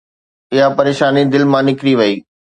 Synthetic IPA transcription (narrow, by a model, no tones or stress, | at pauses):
ɪɦapɐɾeːʃaːnid̪ɪlmãnɪkɾiʋɐiː